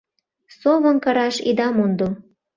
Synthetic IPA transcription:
soβə̆nkɤɾɑʃḭd̪ɑmund̪o

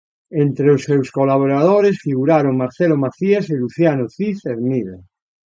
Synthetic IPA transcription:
ent̪ɾeosːewskolaβoɾað̞oɾesfiɣuɾaɾoŋmaɾθelomaɾθieseluθjanoθiθeɾmiðe

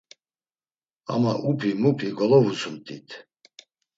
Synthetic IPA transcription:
a̰maʔupʰimupʰiɡɔlɔvusʰumt̪ʼʰit̪ʰ

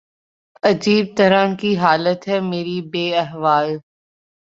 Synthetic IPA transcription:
ɐd͡ʒiːb̚t̪ɐɾənkiɦaːlət̪ɦɛːmeːɾibeːɐɦʋaːl

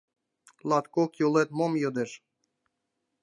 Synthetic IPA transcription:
lˠɑt̪kokjulˠet̪momjod̪eʃ

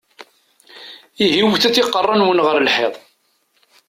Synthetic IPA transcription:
iɦiwθæt͡sːiqːərˤːɑnwənʁəɾlħḛðˤ

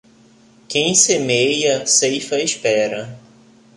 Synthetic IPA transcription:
kẽj̃semejɐsejfɐɪʃpɛɾɐ

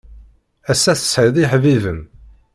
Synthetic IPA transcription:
æsːæθə̥sħəðiħvivəm

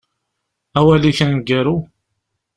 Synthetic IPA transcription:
æwæliçənɡæɾu

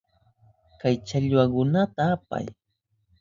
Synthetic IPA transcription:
kajt͡ʃaʎwakʊnat̪aːpa̰j

